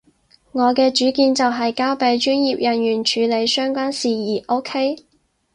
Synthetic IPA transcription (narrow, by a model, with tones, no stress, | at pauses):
ŋɔː˨˧kɛː˧t͡ʃyː˨˥kiː˧nt͡sɐ˨wɦɐ˨jkaː˥wpe˧jt͡ʃyː˥njiː˨p̚jɐ˨njyː˨˩nt͡ʃʰyː˨˧le˨˧jsœː˥ŋkʷaː˥nsiː˨jiː˨˩ʔo˥wkʰe˥j